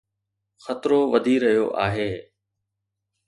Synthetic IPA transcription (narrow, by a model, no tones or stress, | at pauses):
xɐt̪ɾoʋɐd̪ʱiɾɐɦijo̰ʔaːɦeː